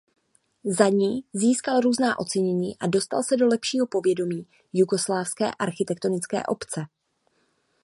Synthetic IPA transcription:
zaɲiːziːskalɾuːznaːʔo̞t͡sɛɲɛɲiːʔado̞st̪a̰lsɛdo̞lɛpʃiːɦo̞po̞vjɛdo̞miː | juɡo̞slaːfskɛ̰ːʔaɾxɪt̪ɛkt̪o̞nɪt͡skɛ̰ːʔo̞pt͡sɛ

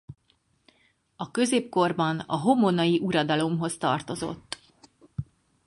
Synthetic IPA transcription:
ɒkø̞zeːpko̞rbɒnɒ̰ɦo̞monɒjiʔuɾɒd̪ɒlo̞mɦo̞st̪ɒ̰rt̪o̞zo̞̰t̪ː

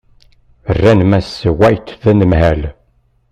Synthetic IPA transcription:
ərːænmæswæjt̪ðænəmhæl

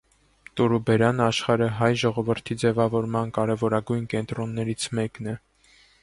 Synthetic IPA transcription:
t̪uɾubɛɾɑnɑʃχɑɾəɦɑjʒɔʁɔvəɾt̪ʰid͡zɛvɑvɔɾmɑnkɑɾɛvɔɾɑɡujnkɛnt̪ɾɔnːɛɾit͡sʰmɛknɛ

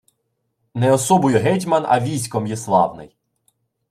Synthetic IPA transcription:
nɛɔsɔbɔjʊɦɛtʲmɐnɐ̰ʋʲijsʲkɔmjɛslˠɑ̰wnɪ̰j

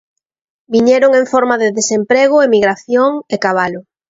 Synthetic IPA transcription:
biɲeɾoŋeɱfɔɾmaðɪðesempɾeɣ̞ʊemiɣɾaθjoŋekaβalʊ

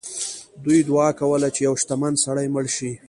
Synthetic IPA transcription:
d̪ujd̪ʊɑkawəlat͡ʃejawʃt̪amand̪saɽajməɽʃi

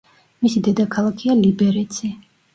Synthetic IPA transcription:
misid̪ɛd̪akʰalˠakʰialibɛɾɛt̪sʰi

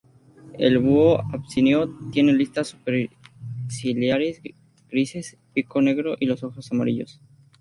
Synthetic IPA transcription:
e̞̰lβuoapsinjot̪jenelist̪asupeɾ | siljaɾes | ɡ̥ɾise̞s | piko̞ne̞ɣɾo̞ʔilo̞so̞xo̞samaɾiʎo̞s

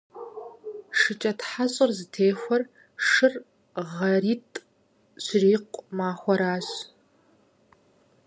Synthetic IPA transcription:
ʂɨt͡ʃʼɐtħaɕʼɪrzɨtʰeːxʷɔr | ʂɨr | ʁɐriːtʼ | ɕriːqʷʼmaːxʷɔɾaːɕ

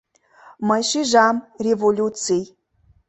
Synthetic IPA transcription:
məjʃiʒɑmrʲevolʲut͡sij

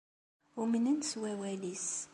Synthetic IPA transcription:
umnənswæwælis

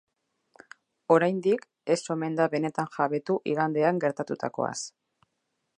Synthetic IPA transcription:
o̞ɾajnd̪ik | e̞so̞me̞nd̪aβe̞ne̞t̪anʝaβe̞t̪uʔiɣand̪e̞aŋɡe̞ɾt̪at̪ut̪a̰ko̞̰a̰s

